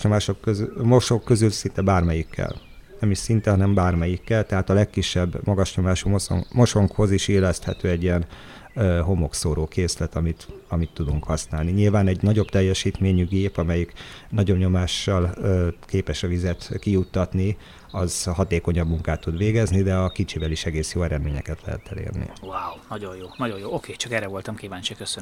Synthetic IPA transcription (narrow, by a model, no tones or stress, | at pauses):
ɲomaːʃokːømoʃo̞kːø̞zylsint̪ɛbaːrmɛjikːɛ̰l | nɛmiʃsint̪ɛɦɒnɛmbaːrmɛjikːɛlt̪ɛɦaːt̪ɒlɛkːiʃːɛbːmɒɡɒʃɲo̞maːʃumoso̰mo̞ʃo̞ŋkho̞ziʃiːlːɛst̪hɛ̰t̪øːɛɟijɛnː | ɦo̞mo̞ksoːɾoːkeːslɛt̪ɒmit̪ɒmit̪ːud̪uŋkhɒsnaːlniɲilvaːnɛɟnɒɟo̞bt̪ɛjːɛʃiːt̪meːɲyɡeːpɒmɛjiknɒɟo̞bɲo̞maːʃːɒlːkeːpɛʃɒvizɛt̪kijut̪ːɒt̪ni | ɒzhɒt̪eːko̞ɲɒbmuŋkaːt̪ːud̪ʋeːɡɛznid̪ɛɒkit͡ʃiːvɛliʃɛɡeːsjoːɛɾɛd̪meːɲɛ̰kɛt̪lɛ̰ɦɛ̰t̪ɛ̰lḛːrnḭwaːwnɒɟo̞jjoːnɒɟo̞joːokʰeːt͡ʃɒkɛɾɛvo̞lt̪ɒmkiːvaːɲt͡ʃikøsøn